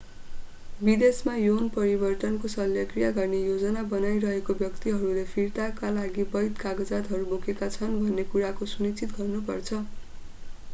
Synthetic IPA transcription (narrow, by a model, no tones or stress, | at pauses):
bid̪esmajonpʌɾibʌrt̪ʌnkosʌljʌkrijaɡʌrnejod͡zʌnabʌnajɾʌɦekobjʌkt̪iɦʌɾulepʰirt̪akalaɡibʌjt̪kaɡʌd͡zat̪ɦʌɾubokekat͡sʰʌnbʱʌnːekuɾakosunit͡sit̪ɡʌrnupʌrt͡sʰʌ